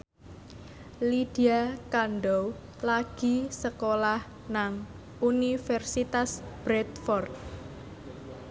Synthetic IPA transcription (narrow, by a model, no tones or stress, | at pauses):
lid̥iakanɖɔw | laɡ̥i̤səkolah | naŋ | unifɛrsit̪asb̥ɾɛt̪fɔrt̪̚